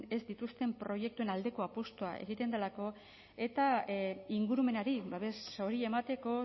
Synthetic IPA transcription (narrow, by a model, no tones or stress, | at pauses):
e̞zd̪it̪ust̪e̞mpɾo̞je̞k̚t̪ue̞nald̪e̞ko̞apust̪oa̰ʔe̞̰ɣ̞it̪e̞nd̪elako̞ | e̞t̪aiŋɡuɾume̞naɾiβaβe̞so̞ɾie̞mat̪e̞ko̞